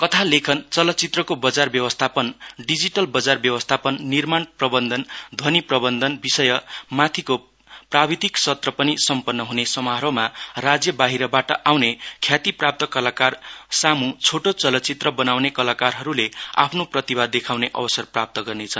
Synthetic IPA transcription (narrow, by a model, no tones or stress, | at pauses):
kʌt̪ʰalekʰʌnt͡sʌlʌtːt͡sit̪rʌkobʌd͡zarbjʌwʌst̪ʰapʌnɖid͡ziʈʌlbʌd͡zarbjʌwʌst̪ʰapʌnːirmanprʌbʌnd̪ʱʌnd̪ʱʌniprʌbʌnd̪ʱʌnbisʌjʌmat̪ʰiko | prabid̪iksʌt̪rʌpʌnisʌmpʌnːʌɦunesʌmʌɦɾomarad͡zjʌbaɦiɾʌbaʈʌʔawnekʰjat̪iprap̚t̪ʌkʌlakarsamut͡sʰoʈot͡sʌlʌt̪ːt͡sit̪rʌbʌnawnekʌlakarɦʌɾulea̰pʰnoprʌt̪ibad̪ːekʰawneʔʌ̰bʌsʌrprap̚t̪ʌɡʌrnet͡sʰʌn